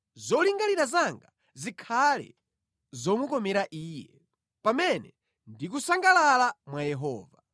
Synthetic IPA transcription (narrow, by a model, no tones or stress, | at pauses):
zɔliŋɡaliɾazaŋɡa | zikʰalɛ̰ | zɔmukɔmɛɾaʔiːjɛ | pamɛnɛ | ndik̬usaŋɡalalamwajɛɦɔːva